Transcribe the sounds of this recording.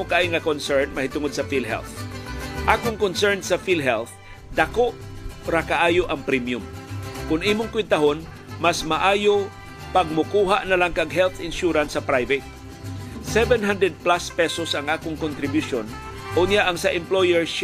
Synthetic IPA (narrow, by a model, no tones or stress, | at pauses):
ʊkaːɪŋɐkonsɛɹnmɐhɪt̪ʊŋod̪sɐfilɦɛ̰lθ | ʔaːkʊŋkonsɛɹnsɐfilɦɛlθ | d̪akoʔ | ɾakaʔaːjoʔɐŋpɾimjʊmkʊniːmʊŋkwɪd̪̚t̪ɐɦon | masmaʔaːjo | pɐɡ̚mʊkuːɦaʔnɐlaŋkɐɡ̚ɦɛlθɪnʃuɾansːɐpɾajvɛt̪̚ | sɛvɛnɦand̪ɾɛd̪̚plaspɛsosʔɐŋʔaːkʊŋkʊnt̪ɾɪbjʊʃon | ʔoɲjaʔɐŋsɐʔɛmplojɛɹʃ